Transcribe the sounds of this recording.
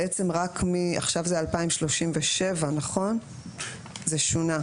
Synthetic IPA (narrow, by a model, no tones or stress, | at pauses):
ʔet͡se̞mʁakmia̰χʃavzealpaimʃlo̞ʃimveʃe̞vanaχo̞n | zeʃuna